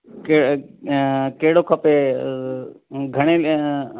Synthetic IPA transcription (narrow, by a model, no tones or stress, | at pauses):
ke | keːɽokʰəpe | ɡʱəɽ̃e